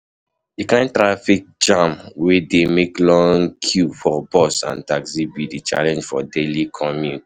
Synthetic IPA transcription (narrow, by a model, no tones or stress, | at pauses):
dikãɪ̃ntɹafik̚d͡ʒãmwedemeklɔ̃ŋkʰjufɔbɔsã̰ntaksibidit͡ʃa̰lɛ̃nd͡ʒfɔdelikʰɔmjut